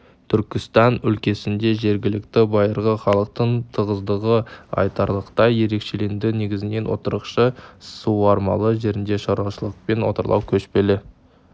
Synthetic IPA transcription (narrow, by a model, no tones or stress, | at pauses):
t̪ʰʏɾkʲɪst̪ɑnʏlkʲe̞sɪnd̪e̞ʒe̞ɾɡʲɪlɪkt̪ɪbɑjəɾʁəχɑlˠəq̚t̪əɴt̪ʰəʁəzd̪əʁəɑ̰jt̪ɑɾlˠəqt̪ɑjje̞ɾe̞kʃele̞nd̪ɪne̞ɡʲɪzɪne̞nwo̰t̪əɾəqʃəsuwɑɾmɑlˠəʒe̞ɾɪnd̪e̞ʃɑɾwɑʃəlˠəq̚pe̞nwo̞̰t̪əɾlˠɑ̰wkʲʰɵʃpe̞lɪ